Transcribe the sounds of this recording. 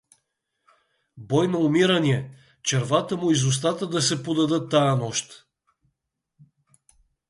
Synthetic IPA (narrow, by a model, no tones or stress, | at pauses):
bɔjnɐʊmiɾɐniɛ | t͡ʃɛɾvat̪əmʊizʊs̬t̪at̪əd̪ɐsɛpod̪ɐd̪ɤt̪ːaənɔʃt̪